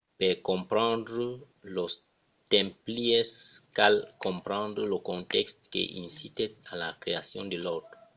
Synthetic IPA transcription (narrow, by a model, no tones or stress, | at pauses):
pɛkɔ̃mpɾɑ̃nd̪ɾə | los | t̪ɛ̃mplieskalkɔ̃mpɾɑ̃nd̪ɾəlokɔ̃nt̪ɛkst̪kḛʔḭ̃nsit̪eala̰kɾeasjɔ̰̃nd̪elot̪ɾo